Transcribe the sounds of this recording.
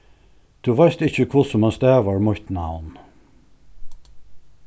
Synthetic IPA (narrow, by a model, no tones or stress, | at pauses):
t̪ʰʉʋajst̪ɪçəkʰvʊsɔmanst̪æːʋaɹmʊht̪na̰wn